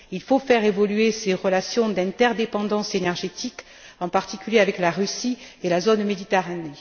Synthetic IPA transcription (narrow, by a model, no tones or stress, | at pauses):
ilfofɛʁevɔlyeseʁəlasjɔ̃d̪ɛ̃t̪ɛʁd̪epɑ̃d̪ɑ̃senɛʁʒet̪ik | ɑ̃paʁt̪ikʲyljeavɛklaʁysielazonmed̪it̪eʁane